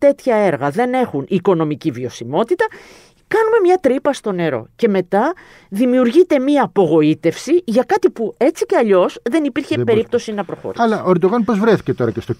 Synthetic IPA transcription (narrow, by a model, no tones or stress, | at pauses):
t̪e̞t̪çɐe̞ɾɣɐðe̞ne̞xuniko̞no̞micivio̞simo̞t̪it̪ɐ | kɐnume̞mɲɐt̪ɾipɐst̪o̞ne̞ɾo̞̰ce̞me̞t̪ɐ | ðimiuɾʝit̪e̞miɐːpo̞ɣo̞it̪e̞fsiʝɐkɐt̪ipue̞t͡siceɐʎo̞sðe̞nipiɾçe̞pe̞ɾip̚t̪o̞sinɐpɾo̞xo̰ɾḭɐlɐʔoeɾd̪oɣɐnpo̞zvɾeθi̥cet̪o̞ɾɐcest̪o